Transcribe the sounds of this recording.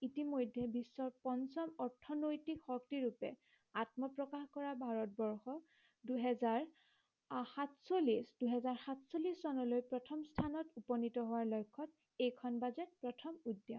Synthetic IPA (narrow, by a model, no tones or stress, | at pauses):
itimojdʱːɛbisːɔɹpɔnsɔmɔɹtʰɔnojtikxɔktiɹupɛ̰ | atmɔpɹɔkaxkɔɹabʱaɹɔt̚bɔɹxɔ | duɦɛzaɹ | hatsolisd̥uɦɛzaɹxatsolissɔnɔlojpɹɔtʰɔmstʰanɔtupɔnitɔɦʊwaɹlojkʰːɔt̚ | ejkʰɔnbazɛt̚pɹɔtʰɔmudːjɔ̰